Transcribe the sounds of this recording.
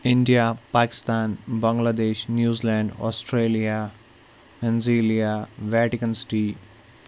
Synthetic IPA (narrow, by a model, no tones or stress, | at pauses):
ɪ̃ɳɖijapaːkɪ̥st̪aːnbɐ̃ŋɡlaːd̪eːʃnjuːzilɛ̃ːɳɖɔ̰ːsʈɾeːlija | pẽnziːlijaʋɛːʈɪkənsʈiː